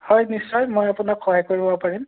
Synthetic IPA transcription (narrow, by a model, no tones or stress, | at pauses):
hɔjnisːɔjmojapunakxɔɦajkoɹibɔpaɹim